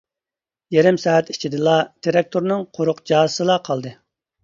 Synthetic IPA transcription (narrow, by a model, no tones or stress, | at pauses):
jeɾɪmsɑːɛt̪i̥t͡ʃʰid̪ɨlˠɑt̪ʰeɾɛk̚t̪ʰoɾnɨŋqʰoɾʊqd͡ʒɑːzsɨlˠɑqʰɑlˠd̪ɨ